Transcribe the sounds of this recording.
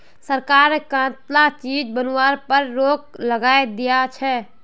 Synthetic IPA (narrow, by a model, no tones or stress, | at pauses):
səɾkaːɾnekãːt̪lat͡ʃiːd͡ʒbənwaːɾpəɾːoːkləɡaːed̪ijat͡ʃʰɛ